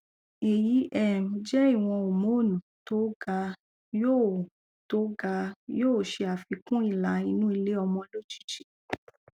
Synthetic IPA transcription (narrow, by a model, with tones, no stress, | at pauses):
e˨ji˨˦ʔɛ˦˨m˨˧d͡ʒɛ˦i˦˨w̃ɔ̃˧o˨mo˨˦˨nũ˨to˨˦ɡa˧ | jo˦˨ | to˦ɡa˧joː˦˨ʃe˧a˨fi˧kũ˦i˦˨la˨˦i˧nũ˦i˧le˦ɔ˧mɔ̃˧lo˦˨d͡ʒi̥˦˨t͡ʃi̥˨˦